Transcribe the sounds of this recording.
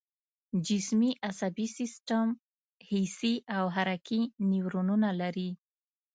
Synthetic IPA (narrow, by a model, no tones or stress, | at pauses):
d͡ʒɪsmiʔasabisɪsʈam | hisiʔawɦaɾakʰiniwɾununalaɾi